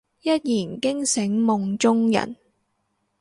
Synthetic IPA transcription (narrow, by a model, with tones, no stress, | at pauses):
jɐ˥t̚jiː˨˩nkɪ˥ŋsɪ˨˥ŋmʊ˨˧ŋt͡sʊ˥ŋjɐ̰˨˩n